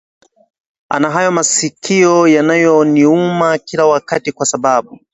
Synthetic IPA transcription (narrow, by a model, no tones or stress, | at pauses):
a̰naɦajɔmasikʰiɔjanajɔniumakilawakatikwasaɓaɓu